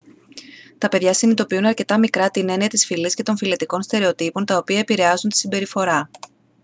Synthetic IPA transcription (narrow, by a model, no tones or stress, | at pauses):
t̪ɐpe̞ðʝɐsinit̪o̞piunɐɾce̞t̪ɐmikɾɐt̪ine̞niɐt̪isfilisce̞t̪o̞ɱfilet̪iko̞nst̪e̞ɾe̞o̞t̪ipo̞nt̪ɐo̞piɐe̞piɾe̞ɐzunt̪i̥simbe̞ɾifo̞ɾɐ